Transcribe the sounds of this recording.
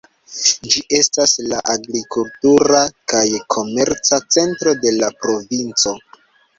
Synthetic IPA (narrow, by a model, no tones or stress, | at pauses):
d͡ʒiʔe̞staslaʔaɡɾikultuɾakajkʰo̞me̞ɾt͡sat͡se̞ntɾo̞de̞lapɾo̞vint͡so̞